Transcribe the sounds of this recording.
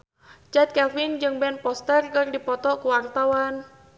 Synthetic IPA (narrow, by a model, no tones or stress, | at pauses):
t͡ʃat̪̚kɛfɪnd͡ʒɨŋbɛnpɔst̪ɛrkɨrdipɔt̪ɔkuwart̪awan